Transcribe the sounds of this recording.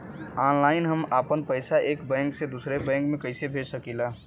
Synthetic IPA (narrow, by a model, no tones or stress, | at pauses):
anlaɪnɦəmapənpəɪsaʔeːkbɛ̃ŋksed̪usɾebɛ̃ŋkmẽkəɪsebʱesəkila